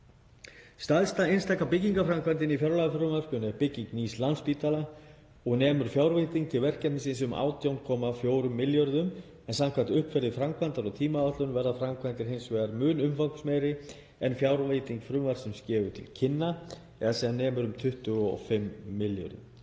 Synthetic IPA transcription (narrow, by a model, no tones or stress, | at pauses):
st̪aðst̪aejnst̪ajkapɪciŋkafɾamkvant̪ɪnifjaɾlaɣafɾʏmar̥kʏnɛɾpɪciŋkniːslanspiːt̪ala | ɔɣnɛːmʏɾ̥fjaːwɾvejt̪iŋkt̪ʰɪlvɛr̥cɛt̪nɪsɪns̬ʏma̰ːwt̪ʰjawnkʰɔːmafjoːwɾʏmːɪljœɾðʏm | ɛnsamkʰvant̪ʏhpfɛɾðɪfɾamkʰvant̪aɾɔt̪ʰiːmaat̪lʏnvɛɾðafɾamkʰvant̪ɪɾ̥ɦejnsvɛːɣaɾmʏːnʏmfawksmɛːjɾɪ | ɛnfjaːwɾvejt̪iŋkfɾʏːmaɾ̥sɛmscɛːvʏt̪ʰɪlcʰɪnːa | ɛðasiːðanːɛːmʏɾʏmt̪ʰʏht̪ʏɔ̰fɪmːɪljœ̰ɾðʏ̰m